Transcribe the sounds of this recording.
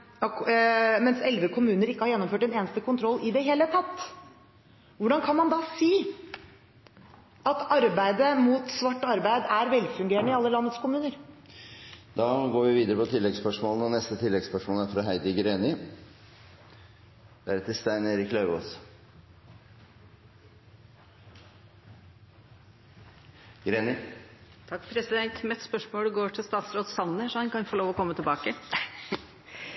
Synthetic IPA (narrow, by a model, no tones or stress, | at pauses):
mɛnsɛlʋəkʰʊmʉːnəɾɪkːəhɑɾjɛnːɔmføːʈɛneːnəst̪əkʊnt̪ʰɾɔlːʔɪd̪ɛɦeːlət̪ʰɑt̪ː | ʋʊɖɑnkʰɑnmɑnd̪ɑsiː | ɑt̪ɑɾbæɪd̪əmut̪sʋɑʈːɑɾbæɪd̪æɾʋɛlfʉŋɡeːɾəɳəɪɑlːəlɑnːət̪skʰʊmʉːnəɾ | d̪ɑːɡoːɾʋɪʋiːd̪əɾəpʰɔt̪ʰɪlːɛɡspœʂmoːlnɔnɛst̪ət̪ʰɪlːɛɡspœʂmɔːlæɾfɾɑɦæɪd̪ɪɡɾeːnɪ | d̪̥ɛæɾɛt̪ʰːɪst̪æɪneːɾɪkːlɑʉʋoːs | ɡɾeːnɪt̪ʰɑkːpʰɾɛsɪd̪ɛnt̪mɛt̪spœʂmoːɖʉɡoːʈʰɪlst̪ɑːt̪sɾoːd̪sɑnːəʂɔhɑnkɑnfoːloːʋɔkʰɔmːət̪ʰɪlbɑːkə